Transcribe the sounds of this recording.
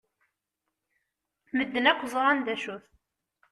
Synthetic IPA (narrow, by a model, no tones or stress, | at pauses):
məd̪ːənækʷːzˤəʁˤænd̪æʃuθ